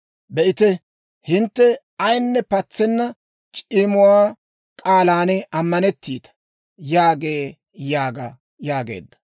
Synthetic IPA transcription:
bɛʔɪt̪ɛ | hɪnt̪ːɛ | ɐjnːɛpɐt͡sːɛnːɐ | t͡ʃʼiːmʊwaː | kʼaːlaːnɛɐmːɐnɛt̪ːiːt̪ɐ̥ | jaːɡeː | jaːɡɐ | jaːɡe̞̰ːd̪ːɐ̥

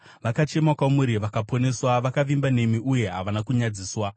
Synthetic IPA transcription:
ʋakat͡ʃe̞makwamuɾiʋakapone̞swaʋakaʋimbane̞miuje̞ɦa̰ʋanakuɲad͡ziːswa

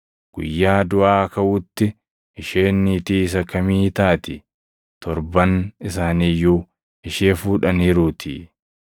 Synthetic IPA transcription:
ɡ̥ʊ̰jːaːd̪ʊʔaːɐkɐʔʊt̪ːɪ | ɪʃeːnːiːt̪iːɪs̬ɐkɐmiːt̪aːt̪ɪ | t̪ɔɾbɐnɪs̬aːniːjuː | ɪʃeːfuːᶑɐniːɾuːt̪ʰḭː

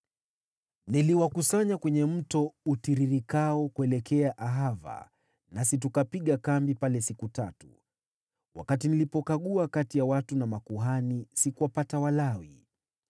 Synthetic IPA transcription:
niliwakusaɲakwɛɲɛm̩tɔutiɾiɾikaɔkuɛlɛkɛaʔaɦava̰ | nasit̬ukapiɠakambipalɛsikutatu | wa̰kat̬inilipɔkaɠuakatijawatunamakuɦanisikuwapatawalawi

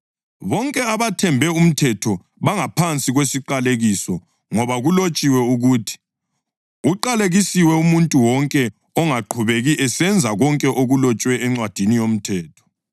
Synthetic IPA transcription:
βɔŋkʼɛaβatʰɛmbʱɛum̩tʰɛtʰɔ | βaŋapʰant͡sʼiɣwesiǃaleɣisɔ | ŋɔβaɣulot͡ʃʼiwɛuɣuːtʰi̥ | uǃaleɣisiwɛumuntʼuwɔŋkʼɛ | ɔŋaǃʰuβeɣiʔɛsɛnd͡zʱaɣɔŋkʼɛʔoɣulɔt͡ʃʼwɛːŋ͡ǀwad̥ʱinijom̩tʰɛːtʰɔ̥

